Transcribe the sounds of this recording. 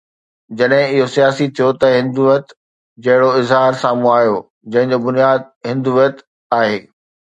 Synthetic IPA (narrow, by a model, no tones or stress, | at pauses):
d͡ʑɐɗɦɪ̃ɪɦosijaːsit̪ʰijot̪ɐɦɪ̃nd̪uːjət̪ | d͡ʑɐɦɪɽoɪzɦaːɾsaːmũaːɦjoː | d͡ʑɐ̃ɦɪ̃ɲd͡ʑoːbʊnijaːd̪̚ɦɪ̃nd̪uːjət̪ | aːɦeː